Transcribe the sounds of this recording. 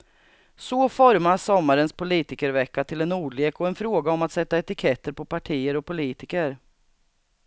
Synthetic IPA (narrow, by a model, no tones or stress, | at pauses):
sɔfɔɾmasɔmːaɾənspʰʊliːt̪ɪkəɾvɛkːat̪ʰɪlɛnuːɖɭeːkɔɛnfɾoːɡaɔmat̪sɛt̪ːaɛt̪ɪkʰɛt̪ːəɾpʰɔpaʈʰiːəɾɔpʰːʊliːt̪ɪkəɾ